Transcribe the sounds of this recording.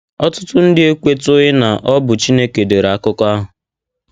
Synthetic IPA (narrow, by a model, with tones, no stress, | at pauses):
ɔ˦tʊ̥˦tʊ˦n̩˦dɪ˦e˦kʷe˦tʊ˦ɪ˦na˨ʔɔ˦bʊ˨t͡ʃi˦ne˦ke˨de˨ɾa˨˦kʊ˦kɔ˦a˦ɦʊ˨